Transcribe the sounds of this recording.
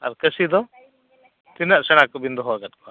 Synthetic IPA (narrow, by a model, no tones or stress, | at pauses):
a̰ɾkəsid̪ɔ | t̪inaʔsɛɽ̃akɔbind̪ɔɦɔaɡat̪̚kɔa